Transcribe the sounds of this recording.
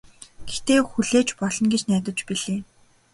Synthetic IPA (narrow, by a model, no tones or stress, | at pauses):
ɡ̥ext̪eːxuɮeːt͡ɕpɔɮɞ̆nɡet͡ɕnæːt̪ə̆t͡ɕpiɮeː